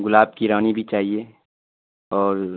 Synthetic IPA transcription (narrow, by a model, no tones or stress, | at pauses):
ɡʊlaːb̚kiɾaːnibʱit͡ʃaːɦie | ɔːɾ